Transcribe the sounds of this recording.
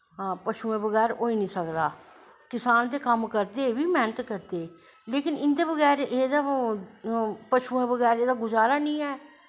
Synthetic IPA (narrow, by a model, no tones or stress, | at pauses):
ɦaːpəʃuːẽːbəɣɛːɾoːiːnĩːsəkd̪aː | kɪsaːnd̪eːkəmkəɾd̪eːʋiːmɛːnət̪kəɾd̪eː | leːkɪnɪnd̪eːbəɣɛːɾeːd̪aː | pəʃuːẽːbəɣɛːɾeːd̪aːɡʊzaːɾaːnĩːɛː